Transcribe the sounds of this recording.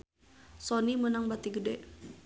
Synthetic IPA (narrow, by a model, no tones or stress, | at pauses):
sɔnimənaŋbat̪iɡədɛ